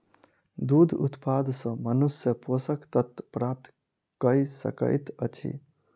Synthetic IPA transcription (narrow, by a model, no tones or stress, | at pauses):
d̪ud̪ʱṵt̪pad̪ʱsə̃mənusjəposəkt̪ət̪pɾap̚t̪ | kəisə̰kə̰jt̪ət͡ʃʰḭ